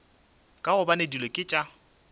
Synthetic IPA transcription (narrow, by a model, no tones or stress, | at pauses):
kʼaɣʊbanedilekʼɪt͡ʃʼa